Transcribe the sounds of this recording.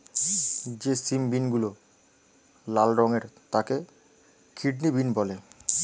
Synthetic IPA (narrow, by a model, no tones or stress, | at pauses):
d͡ʑesimbinɡulo | lalɾɔŋeɾt̪ake | kʰiɖnibinbɔle